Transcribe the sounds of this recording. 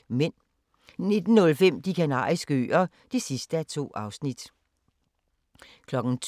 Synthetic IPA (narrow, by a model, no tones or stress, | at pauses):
men | ne̝d̥n̩ːɔ̽lfem̰d̥ikʰænɑ̰̈ːisɡ̥əø̰ːɐ | d̥e̝sisd̥əæt͡sʰo̝̰ːɑ̈ʊsnid̥ | kʰlɒ̽ɡ̥n̩t͡sʰ